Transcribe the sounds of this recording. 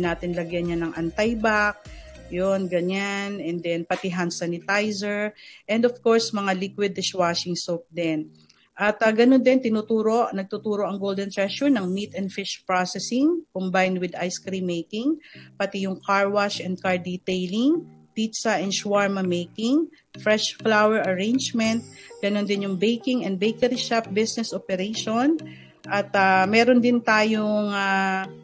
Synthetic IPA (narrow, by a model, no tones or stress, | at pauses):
naːt̪ɪnlɐɡjɐnːanɐŋʔɐnt̪ajbak̚ | jonɡɐɲanɛnd̪ɛnpɐt̪ɪɦansanɪt̪ajsɛɹʔɛnd̪ofkoɹsmɐŋalikwɪd̪ɪʃwaʃɪŋsowp̚d̪ɛn | ʔɐt̪ɐɡɐnond̪ɛnt̪ɪnuːt̪uːɾo̞ʔnɐɡ̚t̪ut̪uːɾo̞ʔɐŋɡowld̪ɛnt̪ɹɛʃʊɹnɐŋmit̪ɛnd̪fɪʃpɹosɛsɪŋkʊmbajnwɪd̪ajskɾimejkɪŋpɐt̪ɛjʊŋkaɹwaʃʔɛnd̪̚kaɹd̪it̪ejlɪŋ | pit̪sɐʔɛnʃwaɹmɐmejkɪŋ | fɹɛʃflawɛɹɐɹejnd͡ʒmɛnt̪̚ɡ̥ɐnond̪ɪnjʊŋbejkɪŋɛnd̪̚bejkɐɾiʃap̚bɪsnɛsʔopɛɾejʃon | ʔɐt̪amɛːɾond̪ɪnt̪aːjoŋa